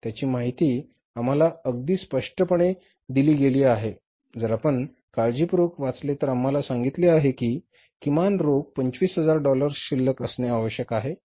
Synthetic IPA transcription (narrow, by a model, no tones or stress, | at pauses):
t̪jat͡ɕiːmaɦit̪iː | am̤alaəɡ̚d̪iːspəʂʈəpəɳe | d̪iliːɡeliːaɦe | d͡zəɾapəɳ | kaɭd͡ʑiːpɾokʋat͡slet̪əɾamːalasaŋɡit̪leaɦekiː | kimanɾoɡ̚pəɲt͡ɕʋiːsɦəd͡zaɾɖɔləɾɕilːəkəsneaʋəɕjəkaɦe